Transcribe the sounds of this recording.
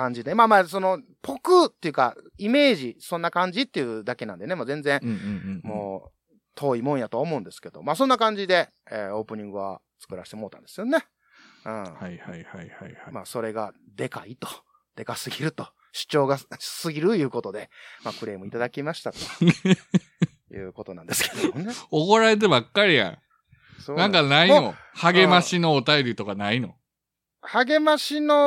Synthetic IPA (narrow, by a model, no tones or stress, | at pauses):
kãɲ̟d͡ʑid̪emaːmaːs̬o̞no̞ | pʰo̞kɯt̪ːe̞jiɯ̟kaime̞ːʑisõ̞nːakãɲ̟d͡ʑit̪ːe̞jiɯ̟d̪ake̞nã̰nd̪e̞nemoːzẽ̞nzẽ̞mo̞̰ː | t̪ʰo̞ːimõɰ̃jat̪o̞omo̞ɯ̟̃nd̪e̞sɨ̥ke̞d̪o̞̰maːsõnːakãɲ̟d͡ʑid̪e̞ | ḛo̞ːpɯ̟ɲ̟ĩŋɡɯ̟βa̰ | t͡sɨ̥kɯ̟ɾaɕe̥t̪e̞mo̞ːt̪ãnd̪esɨjo̞ne̞ | ɯ̃hahahahaamaːso̞ɾe̞ɡad̪e̞kait̪o̥ | d̪̥e̞kasɨɡʲiɾɯ̟t̪o̞ | ɕi̥t͡ɕo̞ːɡasɨɡʲiɾɯjɯ̟ːko̞t̪o̞d̪e̞makɯ̟ɾe̞ːmɯ̟it̪ad̪akʲimaɕi̥t̪at̪o̥ | jɯ̟̰ːko̞t̪o̞nãnd̪esɨ̥ked̪omoneoko̞ɾae̞t̪̬ebakːaɾʲijã̰ | soːnãŋkanaio | haɡe̞maɕino̞ːt̪ajo̞ɾʲit̪o̞kanaino̰ | haɡe̞maɕino